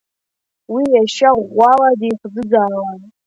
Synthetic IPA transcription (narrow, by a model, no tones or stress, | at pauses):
wijɛʃawawadixzɨɡaːwan